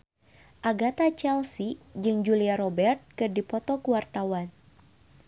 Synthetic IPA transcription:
ʔaɡat̪at͡ʃɛlsid͡ʒɨŋd͡ʒuliaɾɔbɛrt̪̚kɨrdipɔt̪ɔkuwart̪awan

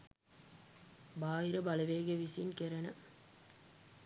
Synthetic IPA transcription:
baːjɪɾɐbɐlɐʋeːɣɐʋɪsiɪnkɛɾɐnɐ

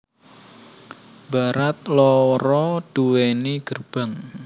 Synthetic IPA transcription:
b̥aɾat̪̚lɔɾɔd̥uweniɡ̥ərb̥a̤ŋ

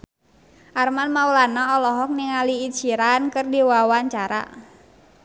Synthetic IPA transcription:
ʔarmanmaulanaɔlɔɦɔk̚niŋaliːt͡ʃiɾankɨrdiwawaɲt͡ʃaɾa̰

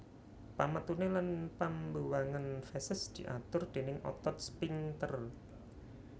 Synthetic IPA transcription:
pamət̪unelanpambuwaŋanfɛsəsd̪̥i̤ʔat̪ʊrd̪̥e̤nɪŋʔɔ̰t̪ɔt̪̚spiŋt̪ər

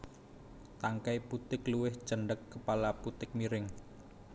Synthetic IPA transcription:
t̪aŋkajput̪ɪkluwɪht͡ʃəɳɖəkːəpalaput̪ɪk̚miɾɪŋ

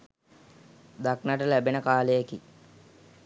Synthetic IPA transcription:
d̪aknaʈəlæbenəkaːlejeki

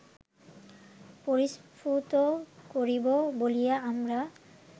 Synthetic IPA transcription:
poɾispʰut̪okoɾibobolijaamɾa

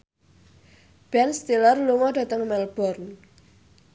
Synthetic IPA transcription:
b̥ɛnst̪ilərluŋɔɖä̤t̪əŋmɛlb̥ɔrn

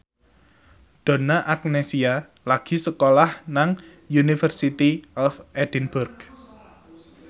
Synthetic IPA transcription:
ɖ̪̥ɔ̤naʔak̚nesia | laɡ̥i̤səkolahnaŋ | junifərsit̪iʔɔfɛd̥inb̥urɡ̥

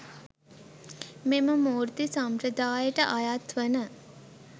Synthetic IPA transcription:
meməmoːɾt̪isampɾəd̪aːjəʈəʔajat̪ʋənə

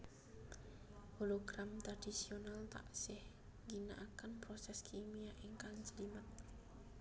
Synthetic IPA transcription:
holoɡ̥ɾamt̪ɾad̥isionalt̪a̰ʔsɪh | ŋɡinaʔakənpɾosɛskʰimijaʔiŋkaŋsəlimət̪̚

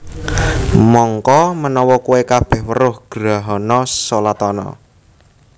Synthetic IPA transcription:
mɔŋkɔmənɔwɔkuwekab̥ɛhwəɾʊhɡ̥ɾaɦɔnɔsolat̪ɔnɔ̰

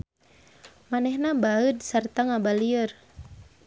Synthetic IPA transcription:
manɛhnabaəd̪sart̪aŋabaliər

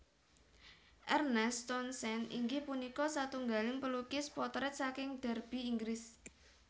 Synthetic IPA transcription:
ʔɛrnɛst̪ɔnsɛnḭŋɡipunikɔsat̪uŋɡalɪŋpəlukɪspɔt̪ɾɛt̪̚sakɪŋd̪̥ɛ̤rb̥i̤ːŋɡɾɪs

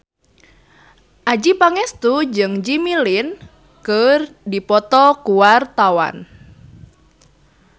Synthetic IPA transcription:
ʔad͡ʒipaŋɛst̪ud͡ʒɨŋd͡ʒimilɪn | kərdipɔt̪ɔkuwart̪awa̰n

